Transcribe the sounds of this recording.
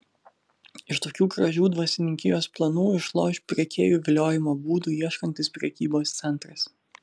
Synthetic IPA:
ɪʃt̪oːkʲuːkɾɐʒʲuːd̪ʋɐsʲɪnʲɪŋʲkʲɪjoːsplˠɐnuːɪʃlˠo̰ːʃʲpʲɾʲɛkʲeːjuːʋʲɪlʲoːjɪmoːbuːd̪uːiɛʃkɐnʲt̪ʲɪspʲɾʲɛkʲiːboːst̪sʲɛnt̪ɾɐs

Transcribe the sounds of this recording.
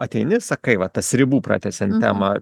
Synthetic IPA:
ɐt̪ʲɛɪnʲɪsɐkɐɪʋɐt̪ɐsʲɾʲɪbuːpɾɑ̰ːt̪ʲɛsʲɛnt̪ʲæ̰ːmɐ

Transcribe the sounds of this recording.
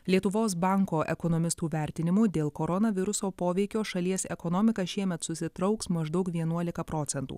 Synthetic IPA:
lʲiɛt̪ʊʋoːs̬bɑˑŋkoːʔɛkɔnɔmʲɪst̪uːʋʲæˑɾʲt̪ʲɪnʲɪmuːd̪ʲeːlˠkoːɾɔnɐʋʲɪɾʊsoːpoːʋʲɛɪkʲoːʃɐlʲiɛsɛkɔnɔːmʲɪkɐʃʲiɛmʲɛt̪sʊsʲɪt̪ɾɐʊksmɐʒd̪ɐʊkʋʲiɛnuɔlʲɪkɐpɾɔt̪sʲɛnt̪ṵː

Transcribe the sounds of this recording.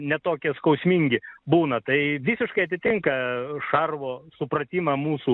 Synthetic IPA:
nʲɛt̪oːkʲɛskɐʊsʲmʲiŋʲɡʲɪbuːnɐt̪ɐɪʋʲisʲɪʃkɐɪɐt̪ʲɪt̪ʲɪŋkɐʃɐrʋoːsʊpɾɐt̪ʲiːmɐmuːsuː

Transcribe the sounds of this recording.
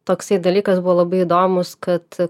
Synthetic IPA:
t̪oːksɐɪd̪ɐlʲiːkɐsbuʋoːlˠɐbɐɪɪd̪oːmʊskɐt̪

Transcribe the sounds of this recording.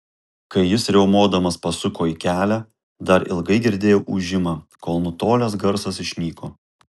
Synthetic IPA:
kɐɪjɪsɾʲɛʊmuɔd̪ɐmɐspɐsʊkoːiːkʲæːlʲæː | d̪ɐɾɪ̰lˠɡɐɪɡʲɪɾʲd̪ʲeːjoːʔuʒʲɪmɑːkoːlˠnʊt̪oːlʲɛsɡɐɾsɐsɪʃʲnʲiːkoː

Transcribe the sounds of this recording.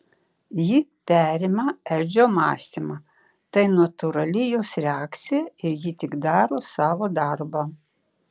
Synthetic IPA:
jit̪ʲæːɾʲɪmɐɛlʲd͡ʒʲoːmɑːsʲt̪ʲimɑ | t̪ɐɪnɐt̪ʊɾɐlʲɪjoːsɾʲɛɑːkt̪sʲɪjɛɪɾjit̪ʲɪɡd̪ɑːɾoːsɑːʋoːd̪ɐɾbo

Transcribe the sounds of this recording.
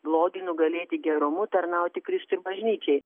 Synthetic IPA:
blˠoːɡʲɪnʊɡɐlʲeːt̪ʲɪɡʲɛɾʊmʊt̪ɐɾnɐˑʊt̪ʲɪkɾʲɪst̪ʊɪɾbɐʒʲnʲiːt͡ʃʲɛɪ

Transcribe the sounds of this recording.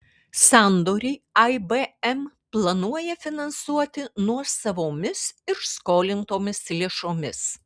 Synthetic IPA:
sɑˑnd̪oːɾʲɛɪɐɪbeɛm | plˠɐnuɔjɛfʲɪnɐnsuɔt̪ʲɪnuɔsɐʋoːmʲɪsɪɾskoːlʲɪnt̪oːmʲɪslʲeɛʃoːmʲɪs

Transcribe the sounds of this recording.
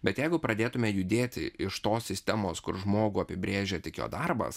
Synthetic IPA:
bʲɛt̪jɛɪɡʊpɾɐd̪ʲeːt̪ʊmʲɛjʊd̪ʲeːt̪ʲɪ̰ʔɪʃt̪oːsʲsʲɪsʲt̪ʲɛmoːskʊɾʒmoːɡuːɐpʲɪbʲɾʲeːʒʲeːt̪ʲɪkjo̰ːd̪ɐɾbɐ̰s

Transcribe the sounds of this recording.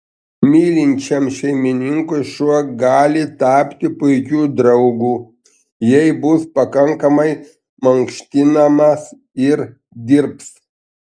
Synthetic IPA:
mʲiːlʲɪnʲt͡ʃʲɛmʃʲɛɪmʲɪnʲɪŋkʊɪʃuɔɡɑːlʲɪt̪ɑːpʲt̪ʲɪpʊɪkʲuːd̪ɾɐʊɡuː | jɛɪbʊspɐkɐŋkɐmɐɪ | mɐŋkʃʲt̪ʲɪnɐmɐs | ɪɾ | d̪ʲɪɾps

